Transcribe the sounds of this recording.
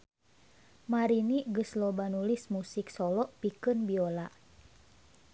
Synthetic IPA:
maɾiniɡəslɔbanulismusiksɔlɔʔpikɨnbiola

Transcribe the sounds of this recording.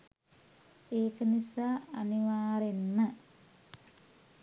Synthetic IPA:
eːkənisaːniʋaːɾenːə

